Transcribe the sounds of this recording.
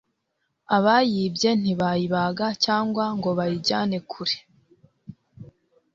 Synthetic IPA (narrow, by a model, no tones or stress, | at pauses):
aβajibɟe̞n̥iβajiβaɡacaːŋɡwaŋɡo̞βajiɟa̰ːne̞kʰuɾe̥